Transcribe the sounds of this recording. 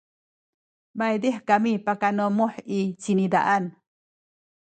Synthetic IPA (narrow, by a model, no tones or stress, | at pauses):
majd̪ihkamipakanomoħit͡ʃinid̪a̰ʔan